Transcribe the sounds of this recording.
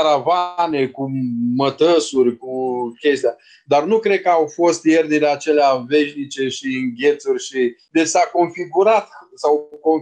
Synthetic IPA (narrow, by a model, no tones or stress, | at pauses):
ɾavane̞kumət̪əsurʲkukʲe̞st̪ea | d̪arnukɾe̞d̪̚kəawfo̞st̪jernileat͡ʃe̞leave̞ʃnit͡ʃe̞ʃiɨŋɡʲe̞t̪surʲʃid̪et͡ʃsako̞nfiɡuɾat̪sawkon